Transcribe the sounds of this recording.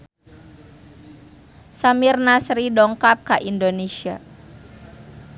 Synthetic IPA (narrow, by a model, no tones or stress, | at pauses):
samirnasɾidɔŋkap̚kaʔindonesia